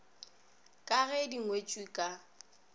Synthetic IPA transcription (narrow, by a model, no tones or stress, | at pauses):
kʼaɣɛdiŋwet͡ʃʼwikʼa